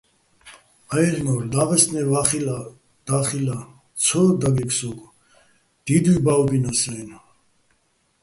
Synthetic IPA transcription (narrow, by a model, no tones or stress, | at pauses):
aɛlnɔɾd̪aʁɛsnɛvaχila | d̪̥aχila | t͡sʰɔd̪aɡɛksɔɡ | d̪̥id̪wibawɡinasɛina